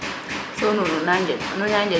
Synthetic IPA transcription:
sonununaɲd͡ʒenuɲaɲd͡ʒe

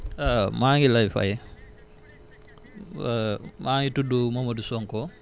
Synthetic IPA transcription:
amaːŋilajfa̰jɛ | maːŋitudumamɐdusɔŋkɔ

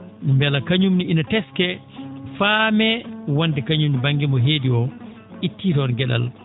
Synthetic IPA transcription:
mbɛlakaɲumniinatɛskɛ | famɛwandɛkaɲumdibaŋɡimɔɦeːdiɔ | itːiːtɔnɡɛɗa̰l

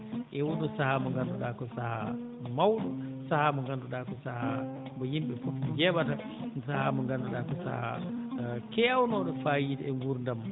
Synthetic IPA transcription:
ʔɛwuɗusahamɔŋɡanduɗakɔsaha | mawɗɔsahamɔŋɡanduɗakɔsaha | bɔjimɓɛfofid͡ʒɛɓata | sahamɔŋɡanduɗaːkɔsa̰ha̰ | kɛawnɔɗɔfaːjitɛŋɡuɾndam

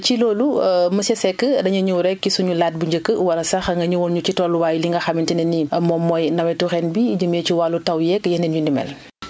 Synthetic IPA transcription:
t͡ʃiloːluməsɛsɛkːədɐɲɐɲuɾɛkːisuɲulaːt̚buɲɟəkːəwɐlɐsɐxŋɡɐɲuwɔːnɲucitɔːlːuwaːjliŋɡɐxɐmintinɛniɐmɔːmːɔːjnɐmɛtuxɛnbid͡ʒəmeːciwalːutɐwjɛkːjɛndɛnɲundimɛ̰l

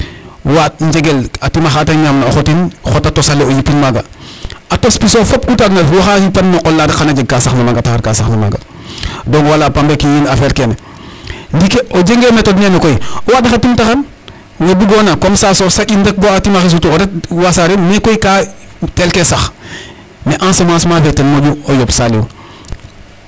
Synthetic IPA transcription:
wat̚ɲd͡ʒeɡelatimaxataɲaːmnaoxotinxotatosaleojipinmaɡa̰atospisofop̚kutaɡnalfwoxaipanmoʔolːadkanad͡ʒeɡ̚kasaxnamaɡataxaɾkasaxnama̰ɡa̰ | doŋwalapambekijiːnafelkene | ndikeʔod͡ʒeŋɡemetodnenokojiwadaxatimtaxan | ŋɡobuɡoːnakomsasosaɟindɐk̚boatimaxis̬utuodawasaɾemekojika | telkesax | neʔãnsomãːsmafetenmoɟuojopsalḭw̰

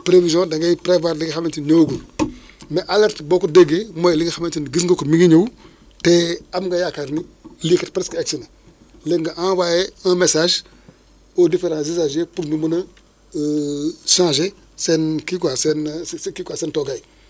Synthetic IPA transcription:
pɾevizõdaŋɡajpɾevaɾliɡxamentiɲoɡun | meʔaleɾtbokudeɡemojliŋɡxamentinɡisŋɡokumiɡiɲuw | teamɡajakaɾnilikitpɾeskeksina | leŋɡaʔãwajeãmesaʒ | odifeɾãzizaʒepuɾnumunɐ | ʃãːʒe | senkikasenkikasentoɡaj

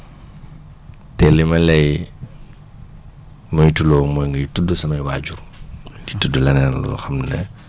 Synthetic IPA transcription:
tɛlimɐlɛj | mɔjtulɔːmɔjŋɡɐjtudːusɐmɐjwaːɟurditudulɐnɛnlṵdṵxɐmnnɛ̰

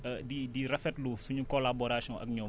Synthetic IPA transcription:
didirɐfɛtluːfsuɲukɔlabɔɾasjɔ̃ʔɐ̰kɲɔː

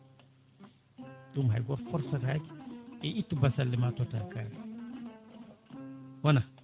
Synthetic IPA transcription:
ɗumɦa̰jɡɔɾfɔɾsaɾaːɡɛʔitːubasalːimaːtɔta̰lkal | wɔna

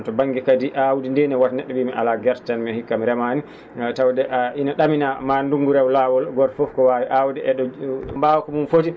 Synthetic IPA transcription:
tɔbaŋɡikadiʔawudindɛnɛwatnɛɗːɔɓiːmiʔa̰laɡɛɾttanmɛhikːamiɾɛmani | tawdɛʔainaɗaminamanduŋɡuɾɛwlawɔlɡɔɾfɔfkɔwawiʔawudɛʔɛɗɔmbaːwɔkɔmumfoti

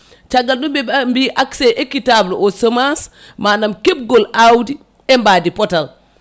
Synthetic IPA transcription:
t͡ʃaɡːalɗumbɛmbiʔaksɛʔekitablɔʔɔsomas | manamkeb̚ɡɔlawdi | ɛmbaːdipɔtal

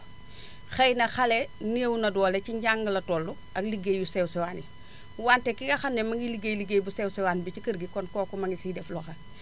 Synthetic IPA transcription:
xɐjnɐxɐlɛneːwnɐdɔːlɛciɲɟaŋɡəlɐtɔːlːu | ɐkliɡejjusɛwsɛwaːnḭ | waːntɛkiŋɡɐxɐndɛmɐŋɡiliɡejliɡejbusɛwsɛwaːnibicikəɾɡikɔnkɔːkɔmɐŋɡisidɛflɔxɐ

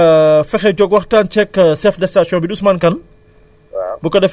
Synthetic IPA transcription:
fɛxɛd͡ʒɔɡwɐxtant͡ʃɛkːsɛfdɛstasjɔ̃biɗusmankɐn | bukɐdɛf

